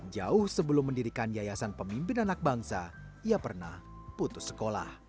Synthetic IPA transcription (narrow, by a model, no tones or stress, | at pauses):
d͡ʒaʊhsəbəlʊmːəndiɾikanjajasanpəmimpɪnanak̚baŋsaiapərna̰h | put̪ʊsə̥kola̰h